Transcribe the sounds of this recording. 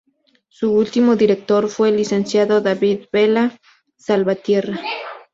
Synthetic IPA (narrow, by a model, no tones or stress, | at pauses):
suult̪imoðiɾek̚t̪oɾfwelisensjaðoðaβiðbela | salβat̪jera